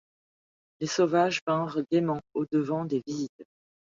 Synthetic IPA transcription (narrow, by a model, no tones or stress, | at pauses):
lesovaʒpɛ̃ʁɡemɑ̃od̪əvɑ̃d̪evizit̪